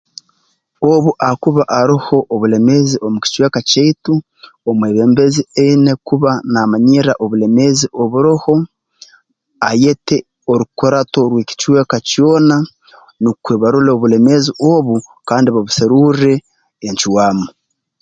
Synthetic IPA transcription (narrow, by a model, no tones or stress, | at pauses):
oβuʔakuβaʔaɾiho̞ʔːβule̞meziʔo̞muki̥t͡ʃweːkaceitu | omweːβeːmbe̞zieinekuβanaːmaɲiɾaʔoβule̞me̞ziʔo̞βuɾoho̞ | aje̞te | oɾukoɾato̞ɾweːki̥t͡ʃweːkacjo̞ːna | nukweːβaɾuleoβule̞meziʔoβukaːndiβaβuseɾuɾe̞ː | ɲt͡ʃiwaːmo